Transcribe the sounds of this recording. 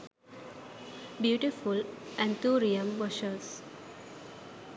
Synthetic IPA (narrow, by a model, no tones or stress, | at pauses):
bjuːʈifulʔæ̃nt̪ʰuːɾiə̃mʋʌʃəɾs